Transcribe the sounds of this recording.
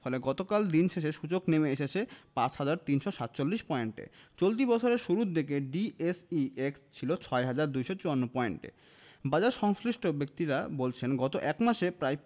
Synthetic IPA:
fʰɔleɡɔt̪okald̪inʃʰeʃeʃud͡ʑoknemeeʃet͡ɕʰepãt͡ɕhad͡ʑaɾt̪inʃoʃat̪ːt͡ɕolːiʃpɔeɳʈḛt͡ɕolt̪̬ibɔt͡ɕʰoɾeɾʃuɾud̪ekeɖiesiekst͡ɕʰilot͡ɕʰɔeɦad͡ʑaɾd̪ujʃot͡ɕuanːopɔeɳʈḛ | bad͡ʑaɾʃɔŋsɾiʃʈʰobek̚t̪iɾabolt͡ɕʰenɡɔt̪oʔɛkmaʃepɾaj

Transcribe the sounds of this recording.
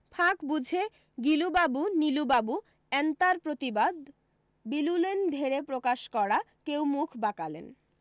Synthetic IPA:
pʰakbud͡ʑʱe | ɡilubabunilubabu | ɛnt̪aɾpɾot̪ibad̪ | bilulend̪ʱeɾepɾokaʃkɔɾa | kewmukʰbakalḛn

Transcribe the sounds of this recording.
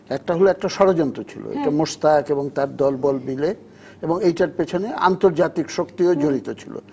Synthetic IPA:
ɛk̚ʈaɦoloɛk̚ʈaʃɔɾod͡ʑɔnt̪ɾot͡ɕʰḭlo̰ḛʈamoʃt̪akeboŋt̪aɾd̪ɔlbɔlbile | eboŋejʈaɾpet͡ɕʰonea̰nt̪oɾd͡ʑat̪ikʃokt̪iod͡ʑoɾit̪ot͡ɕʰilo̰

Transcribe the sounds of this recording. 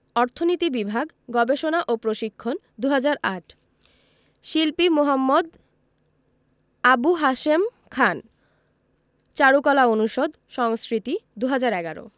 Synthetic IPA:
ɔɾt̪ʰonit̪ibibʱaɡ | ɡɔbeʃonaʔopɾoʃikʰːon | d̪uɦad͡ʑaɾaʈʰ | ʃilpimoɦamːod̪ | abuɦaʃem | kʰan | t͡ɕaɾukɔlaonuʃod̪ | ʃɔŋskɾit̪id̪uɦad͡ʑaɾɛɡaɾo̰

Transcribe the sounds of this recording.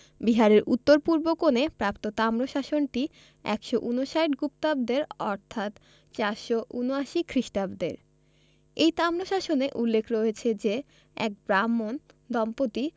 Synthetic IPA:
biɦaɾeɾʔut̪ːoɾpuɾbokonepɾapt̪ot̪amɾoʃaʃonʈi | ɛ̰kʃoʔunoʃajʈɡupt̪ab̚d̪eɾɔɾt̪ʰat̪ | t͡ɕaɾʃoʔunoaʃikʰɾiʃʈabd̪ḛɾ | ejt̪amɾoʃaʃoneʔulːekʰɾoet͡ɕʰed͡ʑe | ɛ̰k̚bɾamːon | d̪ɔmpot̪i

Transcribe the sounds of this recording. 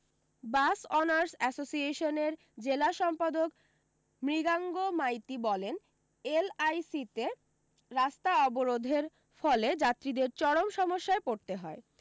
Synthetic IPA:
basɔnaɾsɛsosieʃoneɾ | d͡ʑelaʃɔmpad̪ok | mɾiɡaŋɡomajt̪ibɔlen | elajsit̪e | ɾast̪aɔboɾod̪ʱeɾ | fɔled͡ʑat̪ːɾid̪eɾt͡ɕɔɽomʃɔmoʃːaepoɾt̪eɦɔe

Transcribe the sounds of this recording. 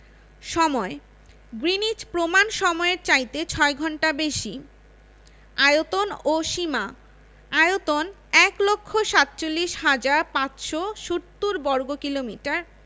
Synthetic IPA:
ʃɔmɔe | ɡɾinit͡ɕpɾomanʃɔmɔeɾt͡ɕajt̪et͡ɕʰɔeɡʱɔɳʈabeʃi | ajot̪onoʃima | ajot̪on | ɛklokʰːoʃat̪ːt͡ɕolːiʃɦad͡ʑaɾpat͡ɕʃoʃuɾt̪ːuɾbɔɾɡokilomiʈaɾ

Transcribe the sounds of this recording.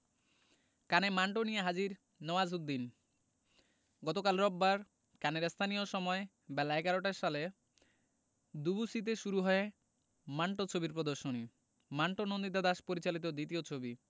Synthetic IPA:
kanemaɳʈonijeɦad͡ʑiɾ | nɔwazud̪ːin | ɡɔt̪okalɾɔbbaɾ | kaneɾst̪ʰanijoʃɔmɔe | bɛlaɛɡaɾoʈaɾʃale | d̪ubusit̪̬eʃuɾuɦɔe | maɳʈot͡ɕʰobiɾpɾod̪oɾʃoni | maɳʈonond̪it̪̬ad̪aʃpoɾit͡ɕalit̪̬od̪it̪iot͡ɕʰobi

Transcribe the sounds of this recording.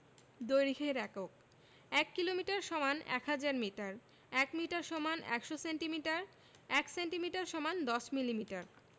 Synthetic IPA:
d̪ojɾikʰeɾɛkok̚ | ɛkːilomiʈaɾʃɔmanɛ̰kɦad͡ʑaɾmiʈaɾ | ɛkmiʈaɾʃɔmanʔɛ̰kʃosenʈimiʈaɾ | ɛksenʈimiʈaɾʃɔmand̪ɔʃmilimiʈaɾ

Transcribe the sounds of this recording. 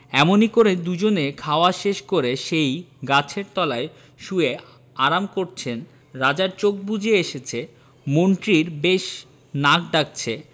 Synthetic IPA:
ɛmonikoɾed̪ud͡ʑonekʰaoaʃeʃkoɾeʃejɡat͡ɕʰeɾt̪ɔlae | ʃue | aɾamkoɾt͡ɕʰen | ɾad͡ʑaɾt͡ɕok̚bud͡ʑʱeeʃet͡ɕʰe | monʈɾiɾbeʃ | nak̚ɖak̚t͡ɕʰe

